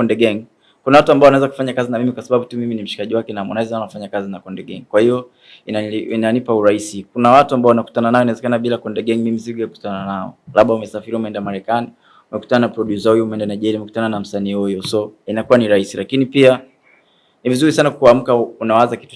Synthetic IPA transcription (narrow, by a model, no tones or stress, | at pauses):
ɔndɛɡaŋ | kunawatuambaɔwanaɛzaku̥faɲakazinamimikwasaɓaɓutumiminim̩ʃi̥kaʄiwakɛnamwa̰naɛzaanafaɲakazinakɔndɛɡaŋkwahiɔ | inainanipauɾahisikunawatuambaɔwanaku̥tananaɔnaɛzɛkanaɓilakɔndɛɠaŋmimiziɡuaku̥tananaɔ̰laɓaumɛsafiɾiumɛɛndamaɾɛkani | umɛku̥tananapɾɔɗjusahujɔumɛɛndanaʄɛliumɛku̥tananam̩saniːhujɔsɔinakuwaniɾaisilakinipia | nivizuɾisanakuam̩kaunaazaki̥tu